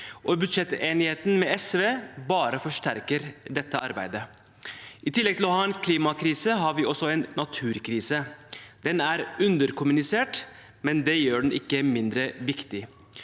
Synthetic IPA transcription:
ʔɔbʉd̪ʂɛt̪eːnɪheːt̪n̩mɛɛsʋeːbɑːɾəfɔʂʈæɾkəɾd̪ɛt̪ːəɑɾbæ̰ɪd̪ə | ʔɪt̪ʰɪlːɛɡ̚t̪ʰɪlɔhɑːɛnkʰliːmɑkʰɾiːsəɦɑɾʋiːɔsːɔɛːnːɑt̪ʰʉːɾkʰɾiːsəd̪̥ɛnæːɾʉnd̪əɾkʊmʉnɪseːʈ | mɛnd̪ɛjøːɖɛɳ̩ʔɪkːəmɪnd̪ɾəʋɪkt̪ɪ

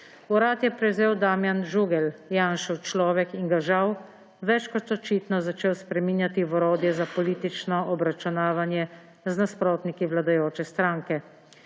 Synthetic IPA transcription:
uɾaːt̪jɛpɾɛwzeːwd̪aːmjanʒuɡɛljaːnʃɛwt͡ʃlɔːʋɛkiŋɡaʒaw | ʋɛt͡ʃkɔt̪ɔt͡ʃiːt̪nɔzat͡ʃeːwspɾɛmiːnjat̪iʋɔɾoːd̪jɛzapɔliːt̪it͡ʃnɔʔɔbɾat͡ʃunaːʋanjɛ | znaspɾoːt̪nikiʋlad̪ajoːt͡ʃɛst̪ɾaːŋkɛ

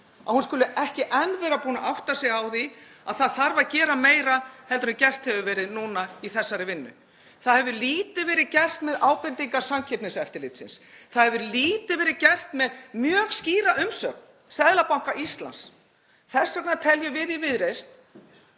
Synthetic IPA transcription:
a̰ðhunskʏlʏʔɛhcɪʔɛnːvɛɾapuːna̰ʔawht̪asɛɣawθi | aðθaðθaɾvaðcɛːɾameːjɾahɛlt̪ʏɾʏmcɛr̥t̪hɛvʏvɛːɾɪðnuːnaiθɛsːaɾɪvɪnːʏ̰ | θaðhɛvðʏliːt̪ɪvɛːɾɪðcɛr̥t̪mɛðaːwpɛnt̪iŋkḁsamcʰɛpnɪsɛft̪ɪɾlɪt̪sɪ̰nsθaðhɛvðʏɾliːt̪ɪvɛːɾɪðcɛr̥t̪mɛðmjœːɣsciːɾaʔʏmsœ̰k̚n | sɛðlapawŋ̥kaʔist̪la̰ns | θɛsːaknat̪ʰɛljʏvɪðivɪðɾejst̪̚

